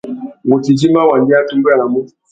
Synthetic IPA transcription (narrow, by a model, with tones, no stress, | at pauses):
ŋo˨ti˨d͡ʒi˦ma˦wa˨ndɪ˦a˦tu˦m˦ba˦˨la˨mʊ˦